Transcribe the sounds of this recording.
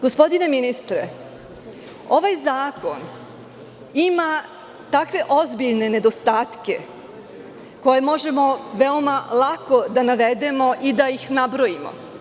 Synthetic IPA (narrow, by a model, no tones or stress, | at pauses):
ɡ̥ospo̞d̪ine̞minist̪ɾe | o̞ʋajzaːko̞n | ima | t̪akʋe̞ʔo̞zbiʎne̞ne̞d̪o̞st̪aːt̪ke̞̰ | ko̞je̞mo̞ʒe̞mo̞ʋe̞o̞malˠako̞d̪anaʋe̞d̪e̞mo̞ʔid̪aixnabɾo̞imo̰